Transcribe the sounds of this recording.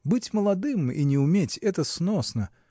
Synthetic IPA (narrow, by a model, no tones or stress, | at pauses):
bɨtʲməlˠɐd̪ɨmḭnʲɪʊmʲetʲɛt̪əsnosnə